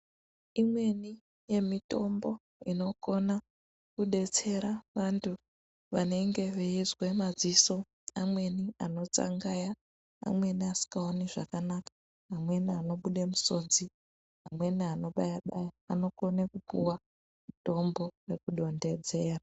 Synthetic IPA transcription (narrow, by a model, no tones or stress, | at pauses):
imwe̞ni | je̞mito̞mbo̞ | ino̞ko̞na | kuɗe̞t͡se̞ɾaʋantʰu | ʋane̞ŋɡe̞ʋeizwemad͡ziso̞ | amwe̞niano̞t͡sa̰ŋɡaja | a̰mwe̞niasi̥kɡaoniʐakanakḁː | mwe̞niano̞ɓuɗemuso̞d͡zi | ɦamwe̞niano̞ɓajaɓajaːno̞ko̞nekupuwa | muto̞mbo̞re̞kuɗo̞nde̞d͡ze̞ːra